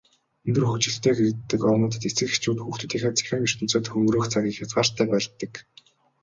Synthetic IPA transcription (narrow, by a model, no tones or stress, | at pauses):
ɵnt̪ɘ̆rxɵkt͡ɕɪ̆ɬt̪eːxet̪ːɘ̆kɔnʊːt̪ə̆t̪et͡sɘ̆ke̥t͡ɕuːt̪xuxt̪ʰɵ̆t̪iːxaːt͡sʰi̥xʲaːŋir̥t̪ɵ̆n̥t͡soːt̪xɵŋɾoːxt͡sʰaɣʲiːkxat͡swaːr̥t̪ʰæːpæːɮt̪ːə̆k